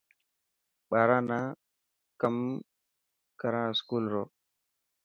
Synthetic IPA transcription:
ɓaɾana | kam | kaɾãskulɾo

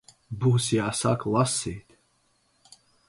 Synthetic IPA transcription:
buhsiasakʰlˠasːit̪

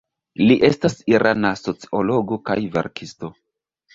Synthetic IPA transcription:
liʔe̞stasiɾʔanaso̞t͡si̥o̞lo̞ɡo̞ka̰jvḛɾkʰisto̞

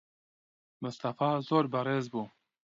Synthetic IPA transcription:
mɨst̪ɑfaːzoːɾbəɾeːzbuː

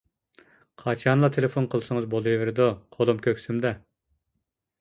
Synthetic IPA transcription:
qʰɑt͡ʃʰɑnlˠɑt̪ʰelefonqʰəlˠsɨŋəzbolˠjvɪɾɪd̪uqʰolˠumkʲʰøkʲsymd̪ɛ

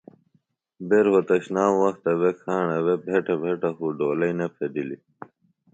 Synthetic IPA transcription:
beɾhot̪ɐɕnaːwɐxt̪ɐwekʰaːɳɐwebʱeʈɐbʱeʈɐxuɖoːlɐjnepʰed̪ili

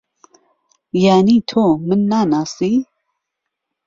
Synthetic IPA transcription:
jaːnit̪ʰomɨnːaːnaːsi

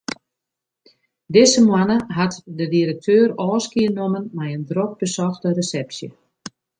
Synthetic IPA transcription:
dɪsəmwanəɦatdədiɾək̚tʰøːɾɔːskiənomənmɛjəndrok̚bəsɔxtəresɛpsjə̰

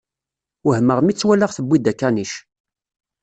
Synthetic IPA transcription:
əhməʁmit͡sːwælːəʁθəbʷːid̪ækːæniʃ

